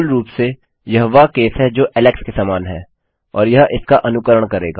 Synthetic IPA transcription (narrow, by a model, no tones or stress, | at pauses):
lɾuːpse | jɐɦoʋakeːsɦɛd͡ʒoːʔɛlɛkskesaːmaːnɦɛ̰ː | ɔ̰ːɾjɐɦɪskaʔɐnʊkəɾəɽ̃kɐɾeːɡaː